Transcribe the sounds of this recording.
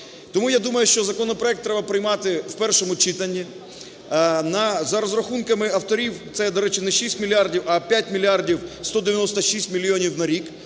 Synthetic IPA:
t̪ɔmujad̪umɐjʊʃt͡ʃɔzɐkɔnɔpɾɔɛk̚t̪ːɾɛbɐpɾɪjmɑt̪ɪwpɛrʃɔmʊt͡ʃɪt̪ɐnʲːi | nɐzɐɾɔzɾɐxunkɐmɪɐwt̪ɔɾʲiwt̪sɛd̪ɔɾɛt͡ʃɪnɛʃisʲtʲmʲilʲiardʲiwɐpʲjat̚ʲmʲilʲiardʲiwst̪ɔd̪eʋʲjɐnɔst̪ɐʃisʲtʲmʲilʲːiɔnʲiwnɐɾʲik

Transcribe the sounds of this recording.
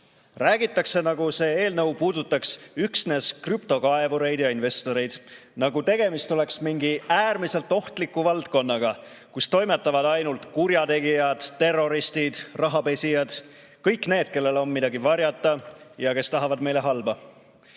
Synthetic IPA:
ræːɡ̥it̪ːˑɑkse̞nɑɡuse̞ːe̞ːlnɤwpuːd̪ut̪ːˑɑksyksne̞skrypt̪o̞kɑe̞vuɾe̞jd̪jɑinve̞st̪o̞ɾe̞jd̪̥ | nɑɡut̪e̞ɡ̥e̞mist̪o̞le̞ksmiŋɡiæːrmise̞lt̪ːˑo̞ht̪likːˑuvɑlt̪ko̞nːɑɡ̥ɑ | kust̪o̞jme̞t̪ːˑɑvɑd̪ɑjnult̪kuɾjɑt̪e̞ɡijɑd̪̥t̪e̞rːo̞ɾist̪id̪̥rɑɦɑpe̞sʲijɑd̪̥ | kɤjkne̞ːd̪̥ke̞lːe̞lo̞nmid̪ɑɡivɑɾjɑt̪ːˑɑjɑke̞st̪ɑɦɑvɑd̪me̞jle̞ɦɑlbɑ

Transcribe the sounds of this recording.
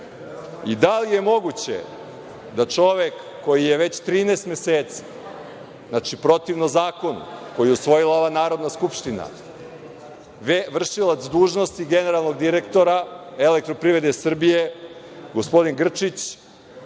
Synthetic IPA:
id̪alije̞mo̞ɡut͡ɕḛ | d̪at͡ʂo̞ʋekːo̞jijeʋe̞t͡ɕt̪ɾiːneːst̪meseːt̪si̥ | znat͡ʂipɾo̞t̪iʋnozaːko̞nṵko̞jijeusʋo̞jilao̞ʋanaːɾo̞d̪naskupʃt̪ina̰ | ʋeʋr̩ʃilˠat̪sd̪uːʒno̞st̪iɡe̞ne̞ɾalˠno̞ɡd̪iɾekt̪o̞ɾae̞le̞kt̪ɾo̞pɾiʋɾed̪esr̩bije | ɡospo̞d̪inɡr̩t͡ʂit͡ɕ

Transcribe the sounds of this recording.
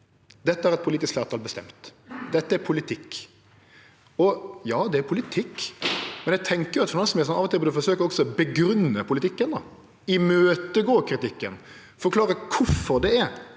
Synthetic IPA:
d̪ɛt̪ːəæɾɛt̪pʰʊliːt̪ɪskfæːɾt̪ʰɑːlbəst̪ɛ̰mt̪d̪ɛt̪ːəæɾpʰʊlɪt̪ʰɪkː | ɔjɑːd̪ɛæɾpʰʊlɪt̪ʰɪkːmɛnjɛæɡt̪ʰɛŋkəɾjʊɑt̪fɔnɔsɔmɛɾsɔnɑːʋɔt̪ʰɪlbɔd̪ʉfɔɾsøːkəɾɔksɔbəɡɾʉnːəpʰʊlɪt̪ʰɪkːənd̪ɑ | ɪmøːt̪əɡoːkʰɾɪt̪ɪkːən | fɔɾkʰlɑːɾəkʰʊɾfɔɾd̪ɛɛɾ

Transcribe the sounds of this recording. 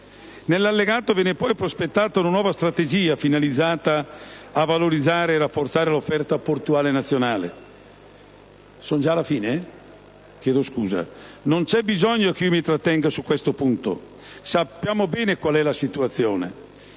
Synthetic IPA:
nelːalːeɡaːt̪ovɛːnepɔjpɾospet̪ːaːt̪aunanwɔːvast̪ɾat̪ed͡ʒiːafinalid̪zːaːt̪aːvaloɾid̪zːaːɾeːrafːort̪saːɾelofːɛrt̪aport̪uaːlenat̪sːjonaːlḛ | sond͡ʒaːlafiːne | k̟jɛːd̪oskuːza̰nont͡ʃɛbizɔɲːok̟umit̪ɾat̪ːɛŋɡasukːwɛst̪opunt̪o̰ | sapːjaːmobɛːnekwalɛlasit̪uat̪sːjoːnḛ

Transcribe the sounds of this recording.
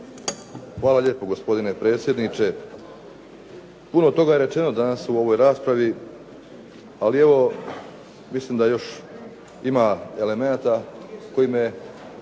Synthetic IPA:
xʋaːlaʎe̞ːpo̞ɡo̞spo̞d̪ine̞pɾe̞ːt̪sʲjed̪nit͡ʃe̞ | punot̪o̞ɡajeɾe̞t͡ʃe̞no̞d̪anasuo̞ʋo̞jɾaːspɾaʋi | alie̞ʋo̞ | mislimd̪ajo̞ʃ | imae̞le̞me̞nat̪ako̞jime

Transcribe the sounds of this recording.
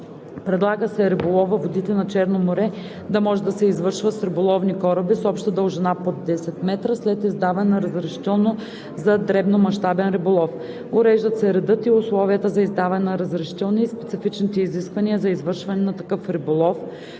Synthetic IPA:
pɾɛd̪lˠaɡəsɛɾɛbʊlˠɔvɐvod̪it̪ɛnɐt͡ʃɛɾnomoɾɛ | d̪ɐmɔʒɛd̪ɐsɛizvɤɾʃvət̪sɾibʊlˠɔvnikɔɾɐbisɔpʃt̪əd̪əlˠʒɛnapod̪ɛsɛt̪mɛt̪ɾəslɛt̪izd̪avɐnɛnɐɾɐzɾɐʃi̥t̪ɛlˠno | zɐd̪ɾɛbnomɐʃt̪abɛnɾɛbʊlˠɔf | ʊɾɛʒd̪ət̪sɛɾɛd̪ɤt̪iʊslˠɔvijət̪əzɐizd̪avɐnɛnɐɾɐzɾɐʃi̥t̪ɛlˠniːspɛt̪sifit͡ʃnit̪ɛiziskvɐniəzɐizvɤɾʃvɐnɛnɐt̪ɐkɤfɾibʊlˠɔf

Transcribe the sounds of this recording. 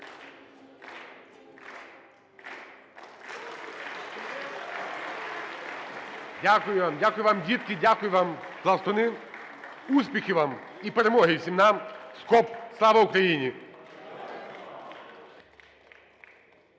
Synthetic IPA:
dʲakʊjʊʋamdʲakʊjʊʋamdʲit̪kɪdʲakʊjʊʋamɦlˠɐwst̪ɔnɪ | usʲpʲixʲɪʋam | ipeɾemɔɦɪwsʲimnamskɔpslˠɑʋɐʊkɾɐjinʲi

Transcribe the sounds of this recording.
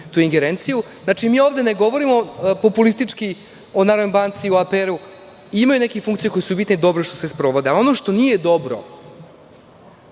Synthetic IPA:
t̪uːiŋɡeɾent̪sijuznat͡ʂimiːo̞ːʋd̪eneɡo̞ʋo̞ɾimo̞po̞pulist̪it͡ʂki | onaɾnombant̪sioapeɾu | imajune̞kefuŋkt̪ijeko̞jesubit̪ned̪o̞bɾoʃt̪osespɾo̞ʋod̪ealo̞noʂt̪o̞nijed̪o̞bɾo̰

